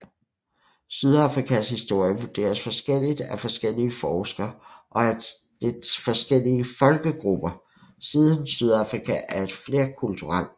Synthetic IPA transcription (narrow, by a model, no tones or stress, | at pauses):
syð̞ˠɑ̈fʁikʰæshisd̥o̝ɐ̰jəʋud̥e̝̰ːɐsfɒ̽sɡ̥el̰id̥æfɒ̽sɡ̥el̰iəfɒːsɡ̥ɐʔɒ̽æd̥efɒ̽sɡ̥el̰iəfɒ̽lɡ̥əɡ̥ʁub̥ɐ | siðˠənsyð̞ˠɑ̈fʁikʰæʔæɐe̝d̥fle̝ːɐkʰult͡sʰuʁɑl̰